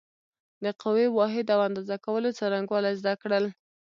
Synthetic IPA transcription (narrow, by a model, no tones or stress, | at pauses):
d̪əqawiwɑɦɪd̪awand̪ɑzakawəlot͡saɾaŋɡwɑlajzd̪akɽəl